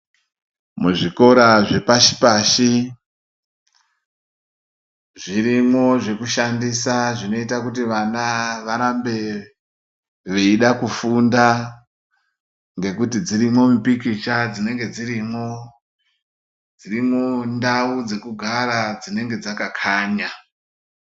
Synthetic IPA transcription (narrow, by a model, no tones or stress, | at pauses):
muʐiko̞ɾaʐe̞paʃi̥paʃi | ʐirimo̞ʐe̞kuʃandisaʐino̞itakutiʋanaʋaɾambe̞ | ʋe̞iɗakufunda | ŋɡe̞kutid͡zirimwo̞mupikit͡ʃad͡zine̞ŋɡe̞d͡zirimwo̞ | d͡zirimondaud͡ze̞kuɡʱaɾad͡zine̞ŋɡe̞d͡zakakʰaːɲa